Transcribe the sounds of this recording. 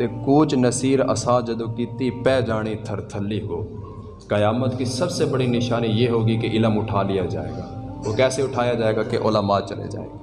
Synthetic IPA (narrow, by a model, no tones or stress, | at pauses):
t̪ekuːt͡ʃnɐsiːɾɐ̰sãːd͡ʒɐd̪okiːt̪ipɛːd͡ʒaːɽ̃it̪ʰɐɾt̪ʰəlːikoː | kɐjaːmət̪kisɐbsebɐɽinɪʃaːnijeːɦoːɡikeʔɪləmʊʈʰaːlijad͡ʒa̰ːḛːɡaːoːkɛːseʊʈʰaːjad͡ʒaːeːɡakeʔoːləmaːt͡ʃɐlḛd͡ʒa̰ːḛː